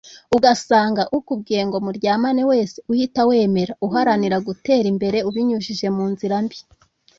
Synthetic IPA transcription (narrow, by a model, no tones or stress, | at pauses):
uɡasaːŋɡaʔukub̚ɡeːŋɡo̞muɾɟaːmanewe̞ːseuhitawe̞ːme̞ɾauɦaɾaniɾaɡute̞ːɾimbe̞ɾe̞uβiɲuʃiʒe̞muːnziɾambi